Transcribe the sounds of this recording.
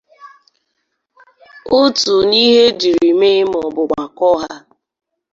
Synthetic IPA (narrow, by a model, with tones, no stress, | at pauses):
o˦tu˨ni˦ɦe˦d͡ʒi˨ɾi˨me˦m˨ɔ˨bʊ˨ɡ͡ba˨kɔ˦ɦa˦